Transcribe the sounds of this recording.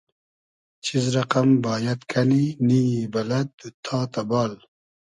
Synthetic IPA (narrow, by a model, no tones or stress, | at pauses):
t͡ɕʰizɾɐqambɑːjɐt̪kʰɐninijibɐlɐd̪̚d̪ut̪ʰɑːt̪ɐbɑːl